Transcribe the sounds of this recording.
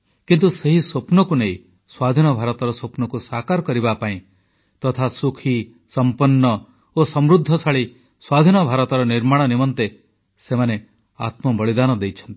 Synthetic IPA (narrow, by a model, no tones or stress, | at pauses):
kint̪useɦisopnɔkunei | swad̪ʱinɔbʱaɾɔt̪ɔɾɔsopnɔkusakaɾɔkɔɾibapaĩ | t̪ɔt̪ʰasukʰi | sɔmpɔnːɔ | osɔmɾud̪ʱːɔsʰaɭi | swad̪ʱinɔbʱaɾɔt̪ɔɾɔniɾmaɽ̃ɔnimɔnt̪e | semane | a̰t̪mɔbɔɭid̪anɔd̪ejt͡ʃʰɔ̥nt̪i̥